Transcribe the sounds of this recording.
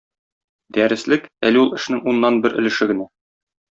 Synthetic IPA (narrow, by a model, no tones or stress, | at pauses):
d̪æɾɘ̆slɘkælɘulˠɘ̆ʃnɘŋunːɑnbɘɾʔɘ̆lɘ̆ʃɘɡɘ̆næ